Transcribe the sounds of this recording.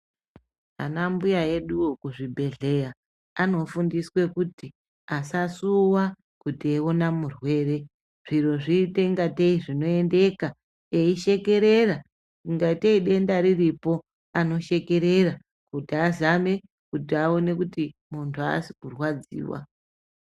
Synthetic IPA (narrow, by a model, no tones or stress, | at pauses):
a̰nambujae̞ɗukuʐibʱe̞ɮe̞ja | ano̞fundiswe̞kuti | asasuwa | kutieonamurwe̞ːre̞ | ʐ̥iro̞ʐiːteŋɡateiʐino̞e̞nde̞ka | eiʃe̞ke̞ɾe̞ra | kiŋɡaiteiɗe̞ndaɾiripo̞ | ano̞ʃe̞ke̞ɾe̞ra | kutiazame̞ | kutiao̞ne̞kutimuntʰua̰si̥kurwad͡zḭːwa̰